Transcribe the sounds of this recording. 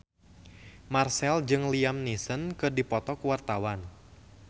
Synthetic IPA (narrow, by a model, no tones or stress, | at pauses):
marsɛld͡ʒɨŋliamnisənkɨrdipɔt̪ɔkuwart̪awan